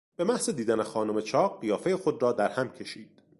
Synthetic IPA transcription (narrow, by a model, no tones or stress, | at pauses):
b̥e̞mæhzed̪iːd̪ænexɒːnome̞t͡ʃʰɒːɢːijɒːfe̞jexo̞d̪ɾɒːd̪æɾhæmcʲʰe̞ʃiːd̪̥